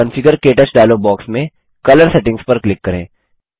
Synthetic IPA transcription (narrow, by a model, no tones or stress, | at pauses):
ə̃nfɪɡəɾkeːʈəsɖaːloːbɔːksmẽ | kɐləɾsɛːʈɪ̃ŋspɐɾklɪkːɐɾḛ̃ː